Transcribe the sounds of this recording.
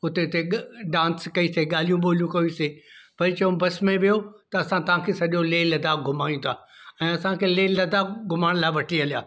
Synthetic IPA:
ʊt̪eʊt̪eɖãːnskɐiseɠaːl̤ijũɓoːlijũkɐusepɐɾɪt͡ɕɐʋõbɐsmẽʋijot̪ɐːsãt̪ɐʋãkʰeːsɐʄoleːlɐd̪aːɡʱʊmaːĩt̪ʰaːɛ̃ːɐsãkʰeːleːɐd̪aːɡʱʊmaːɽ̃laːʋɐʈʰiɐlija̰ː

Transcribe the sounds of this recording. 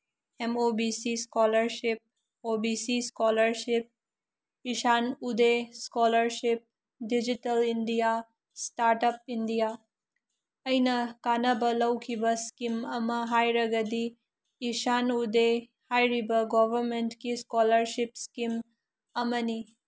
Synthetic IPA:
emobisiskɔləɾʃip̚ | obisiskɔləɾʃip̚ | iʃanud̪eskɔləɾʃip̚ | ɖid͡ʒiʈɐlinɖija | sʈaɾʈəp̚iɳɖija | ɐjnɐkanɐbɐlɐwkʰibɐskimɐmɐɦajɾɐɡəd̪iː | ʃanud̪e | hajɾibɐɡɔʋəɾmeɳʈkiskɔləɾʃipskim | ɐmɐni

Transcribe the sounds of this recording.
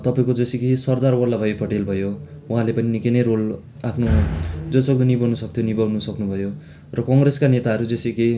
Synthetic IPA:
t̪ʌpaĩkod͡zʌsikesʌrd̪arwʌlːabʱʌepʌʈelbʱʌjo | uɦãlepʌninikinʌjrol | apʰnod͡zʌsʌk̚d̪ʌnibʌnusʌkt̪ʰjonibʌwnusʌknubʱʌjo | rʌkʌŋɡreskanet̪aɦʌɾud͡zʌsike

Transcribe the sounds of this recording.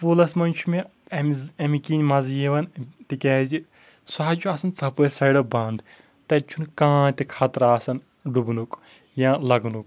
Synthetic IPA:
pulɐsmɐnt͡ʃʰume | ɐmzɐmikinʲmɐzjiʋɐnt̪ikʲɛɦzi | saːd͡ʒʰuɐsɐnt͡sɐpɐjsɐjɽɐbɐnd̪ | t̪ɐt͡ʃʰunkãːt̪ikʰat̪ɾaːsɐn | ɖubnuk | jãːlɐɡnuk

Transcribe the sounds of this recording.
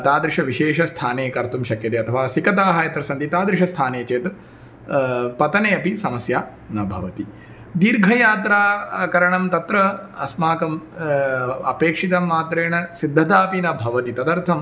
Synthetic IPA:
ɐt̪aːd̪ɾɪʂɐʋiʃeːʃɐst̪ʰaːneːkɐɾt̪umʃɐkjɐt̪eːɐt̪ʰɐʋaːsikɐt̪aːɦaːjɐt̪ɾɐsɐnt̪it̪aːd̪ɾiʃɐst̪ʰaːneːt͡ʃeːt̪ | pɐt̪ɐneːɐpisɐmɐsjaː | nɐbʱɐ̰ʋɐt̪i | d̪iːɾɡʱɐjaːt̪ɾaːkɐɾɐɳɐmt̪ɐt̪ɾɐɐsmaːkɐm | ɐ̰peːkʂit̪ɐmːaːt̪ɾeːɳɐsid̪ʱːɐt̪aːpinɐbʱɐʋɐt̪it̪ɐd̪ɐɾt̪ʰɐm

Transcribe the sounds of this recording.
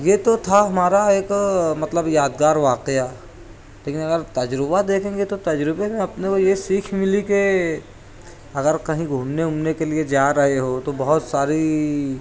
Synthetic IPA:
jet̪ot̪ʰaɦɐmaːɾaeːkmɐt̪ləbjaːd̪ɡaːɾʋaːqea | leːkɪnɐɡəɾt̪ɐd͡ʒɾɪbad̪eːkʰẽːɡet̪ot̪ɐd͡ʒɾɪbemẽɐpnekojesiːkʰmɪlike | ɐɡəɾkɐɦĩɡʱuːmneʊmnekelied͡ʒaːɾɐɦeɦot̪obɐɦʊt̪saːɾi

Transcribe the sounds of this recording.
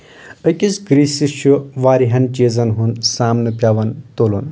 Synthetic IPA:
əkʲisɡɾiːsiʃuʋaːɾiɦɐnt͡ʃezɐnɦunsaːmnɨpʲjaːʋɐnt̪olun

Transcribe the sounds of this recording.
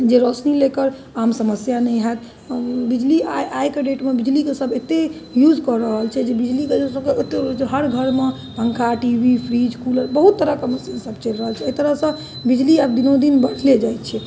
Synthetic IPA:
d͡ʒeɾɔsnilekəɾ | amsəməsjanɛjɦɛt̪ | bid͡ʒliajajkeɖeʈmebid͡ʒlikesəbʱet̪e | jud͡ʒkɔɾəɦəlt͡ʃʰɛd͡ʒebid͡ʒliked͡ʒesəbkeet̪ːeɾt͡ʃeɦəɾɡʱəɾme | pə̃ŋkʰaʈibʱipʰɾid͡ʒkuləɾbəɦut̪ːəɾəkəməsinsəbt͡ʃelɾəɦəlt͡ʃʰɛəit̪əɾəɦsə̃ | bid͡ʒliabd̪inod̪inbəɽ̤led͡ʒajt̪̚t͡ʃʰɛ

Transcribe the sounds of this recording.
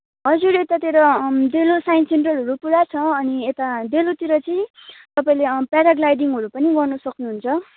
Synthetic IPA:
ɦʌd͡zuɾet̪at̪eɾʌd̪elosajinseɳʈrʌlɦʌɾupuɾat͡sʰʌʌniet̪ad̪elot̪iɾʌt͡sʌĩt̪ʌpaĩlepaɾaɡlajɖiŋɦʌɾupʌniɡʌrnʌsʌknuɦunt͡sʰʌ

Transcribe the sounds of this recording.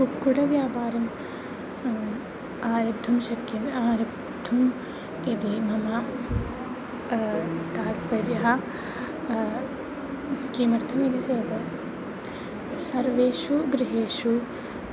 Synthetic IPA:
kukːuɽɐʋjaːpaːɾɐm | aːɾɐbd̪ʱɐmʃɐkːjɐnaːɾɐb | d̪ʱɐm | id̪imɐmɐ | t̪aːt̪pɐɾjɐɦɐ | kiːmɐɾt̪ʰɐmed̪iseːd̪ɐ | sɐɾʋeːʃuɡɾiɦeːʃu

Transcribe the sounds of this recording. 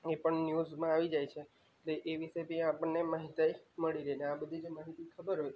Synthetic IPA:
epəɳnjuzmãaʋid͡ʒajt͡ʃʰe | eʈleʔeʋisepiãapəɳːemaɦit̪ajməɭiɾəɦineabəd̪ʱid͡ʒmaɦit̪ikʰəbəɾɦoj

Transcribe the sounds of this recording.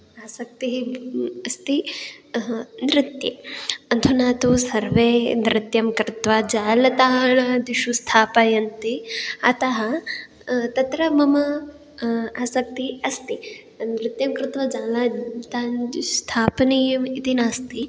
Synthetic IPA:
aːsɐk̚t̪iɦiɐst̪i | nɾɪt̪jeɐnt̪ʰunaːt̪usɐɾʋeːd̪ɾɪt̪jɐmkɾɪt̪ʋad͡ʒaːlɐt̪aːɦɭɐd̪iʃust̪ʰaːpajɐnt̪iɐt̪ɐɦɐ | t̪ɐt̪ɾɐmɐmɐ | aːsɐk̚t̪iɦiɐst̪i | nɾɪt̪jɐmkɾɪt̪ʋɐd͡ʒaːlaːt̪aːst̪ʰaːpɐnijɐmit̪inaːst̪i

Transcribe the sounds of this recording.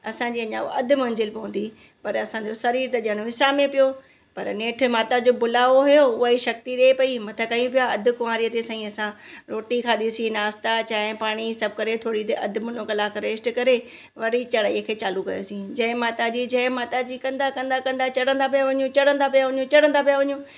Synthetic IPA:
ɐsãd͡ʑiːɐɲã̰ɐd̪ʱʊmɐ̃ɲd͡ʑɪlbɪɦũːn̆d̪i | pɐɾɐsãd͡ʑosɐɾiːɾt̪ɐɗiəɽ̃ʋɪsamẽpijo | pɐɾneːʈ̆ʰmaːt̪ad͡ʑoːbʊlaːʋoɦʊjoʊɦaiʃɐk̚t̪iɗeepɐimɐt̪ʰəkɐjũpijaɐd̪ʱʊ̆kʊmaːɾijət̪esãĩɐsãɾoːʈikʰaɗisĩnaːst̪at͡ɕaːɦɪpaːɽ̃isɐb̚ʱkɐɾet̪ʰoːɽit̪eʔɐd̪ʱmʊnokɐlaːkɾeːsʈkɐɾe | ʋɐɽit͡ɕɐɽaiəkʰeːt͡ɕaːlukɐjo̰sĩd͡ʑɐ̃ɦɪ̃maːt̪ad͡ʑid͡ʑɐ̃ɦɪ̃maːt̪ad͡ʑiːkɐ̃nd̪akɐ̃nd̪akɐ̃nd̪at͡ɕɐɽ̤ə̃nd̪ap̬ijaʋɐɲũt͡ɕɐɽ̤ə̃nd̪ap̬ijaʋɐɲũt͡ɕɐɽə̃nd̪apijaʋɐɲũ

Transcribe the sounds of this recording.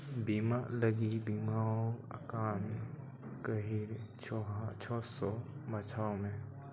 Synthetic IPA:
bimaləɡibimaõ̰kaːn | kəɦiɾt͡ʃʰɔɦat͡ʃʰɔːsɔmət͡ʃʰaːõmẽ

